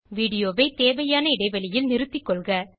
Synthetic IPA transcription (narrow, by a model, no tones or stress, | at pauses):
ʋiːɽɪjoːʋɐɪt̪eːʋɐjaːnɐɪɽɐɪʋɐɭɪjɪlnɪɾɯt̪ːɪkːɔɭɣɐ